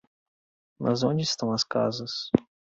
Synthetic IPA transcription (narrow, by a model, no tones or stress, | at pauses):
mɐ̰zõnd͡ʒɪist̪ɐ̃w̃ɐska̰zɐs